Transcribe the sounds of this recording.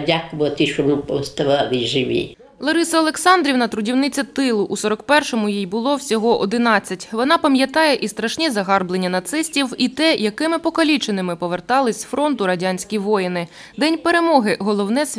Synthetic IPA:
dʲakʊʋˠɐt̪ɪʃɔmɪpɔst̪ɐʋɑlˠɪʒɪʋʲḭ | lˠɔɾɪsɐɐlˠeksɑnd̪ɾʲiwnɐt̪ɾʊdʲiwnɪt͡sʲɐt̪ɪlˠʊʔːsɔɾɔkpɛrʃɔmʊjijbʊlˠɔwsʲɔɦɔʔɔd̪ɪnɑt͡sʲːɐtʲʋɔnɑpɐmʲjɐt̪ɑjɛʔist̪ɾɐʃnʲizɐɦɑrblenʲːɐnɐt̪sɪsʲtʲiwit̪ɛjɐkɪmɪpɔkɐlʲit͡ʃenɪmɪpɔʋert̪ɑlˠɪsʲfɾɔnt̪ʊɾɐdʲanʲsʲkʲijʋɔjɪnɪ | d̪ɛnʲpeɾe̞mɔɦɪɦɔlˠɔwnɛsʲ

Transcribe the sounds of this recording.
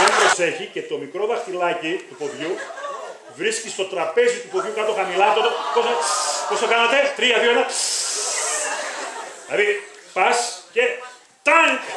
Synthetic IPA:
embɾo̞se̞çice̞t̪o̞mikɾo̞ðɐxt̪ilɐcit̪upo̞ðʝu | vɾiscist̪ot̪ɾɐpe̞zit̪upoðʝukɐt̪oxɐmilɐt̪ot̪opospo̞st̪okɐnɐt̪e̞t̪ɾiɐðioelɐ | lɐði | pɐsce̞ | t̪ɐŋ

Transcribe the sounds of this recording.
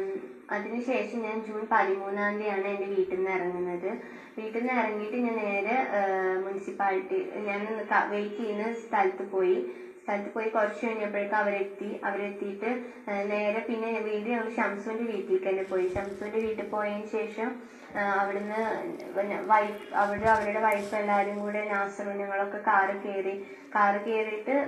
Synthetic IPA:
ɐðinɨɕe̞ːʂɐmɲaːnd͡ʑuːnpɐðimuːnːaːnd̪ijaːɳɨende̞ʋiːʈːenːɨirɐŋːunːɐðɨ | ʋiːʈːenːɨirɐŋːijiʈːɨɲaːnne̞e̞ːɾemunisipaːliʈːiɲaːninːɨkɐ̰ʋejkːijnːɨst̪ʰɐlɐt̪ːɨpo̞ːji | st̪ʰɐlɐt̪ːɨpo̞ːjikorɐt͡ɕːuʋeɳːɐpːɐɻɨkːɐɐʋɐɾet̪ːiʔɐʋɐɾet̪ːijiʈːɨ | ne̞ːɾepinːe̞ʋiːðinɐŋːɐɭɨɕɐmsɐʋundeʋiːʈːikːɐnːepo̞ːjiɕɐmsɐʋunde̞ʋiːʈːɨpo̞ːjaːnɕe̞ːʂɐm | ɐʋiɽunːɨ | ʋɐjpɐʋiɽuɐʋɐɾuɽe̞ʋɐjpːelːaːɾumɡuːɽenaːsɐruɲɐŋːɐɭo̞kːe̞kaːrɨke̞ːri | kaːrɨke̞ːriʈːɨ

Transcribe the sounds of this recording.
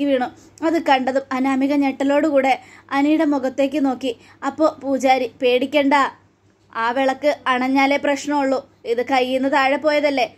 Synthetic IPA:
ɨʋiːɳu | ɐðɨkɐɳɖɐðumɐnaːmiɣɐɲeʈːɐlo̞ːɽɨkuːɽe̞ɐnijɽemuɣɐt̪ːe̞ːk̬ʲːɨno̞ːkːi | ɐpːo̞ːpuːt͡ɕaːɾipe̞ːɽikʲːe̞ːɳɖaː | aːʋeɭɐkːɨɐɳɐɲːaːleprɐɕɳɐmuɭːu | iðɨkɐjːunːɐðaːɻepo̞ːjɐðɐlːe̞

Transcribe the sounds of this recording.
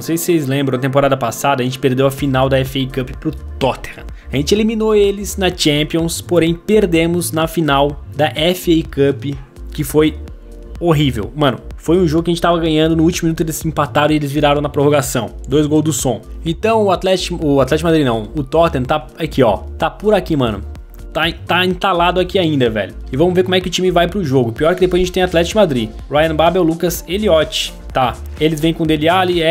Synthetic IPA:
nɐ̃w̃sejsɪ̥sejzlẽmbɾɐ̃ɐt̪ẽmp̬oɾad̪ɐpasad̪ɐʒẽnt͡ʃɪ̥peɾd̪ewɐfinawd̪ɐɛfekɐpɪ̥pɾʊt̪ɔɾt̪eɾ | aʒẽnt͡ʃɪelimĩnoelɪznɐt͡ʃẽpiõspoɾẽj̃peɾd̪ẽmʊznɐfinawd̪ɐʔɛfɪekɐpɪ | kɪfoj | oɦivḛwmɐ̃nʊ̰fojũʒoɡʊkɐʒẽt͡ʃɪt̪avɐɡɐ̃ɲɐ̃d̪ʊnʊut͡ʃimʊminut̪ʊelɪsĩmpat̪aɾɐ̃ɪelɪzviɾaɾɐ̃w̃nɐpɾoɦoɡasɐ̃w̃d̪ojzɡowzd̪ʊsõẽnt̪ɐ̃w̃ʊat̪lɛt͡ʃkʊat̪lɛt͡ʃɪkʊmad̪ɾinɐ̰̃w̃ʊt̪ɔɾt̪ẽt̪a | akiɔ̰t̪apʊɾakimɐ̃nʊ̰ | t̪at̪aĩt̪alad̪ʊakiaĩnd̪ɐvɛ̰ʎʊɪvɐ̃mʊzveɾkomwɛkɪʊt͡ʃĩmɪvajpɾʊʒoɡʊpiɔɾkɪd̪epojzɐʒẽt͡ʃt̪ẽat̪lɛt͡ʃɪkʊmad̪ɾi | ɾajɐ̃babɛwlukɐzeliɔt͡ʃɪ̥ | t̪a | elɪzvẽj̃kõd̪elialiɛ

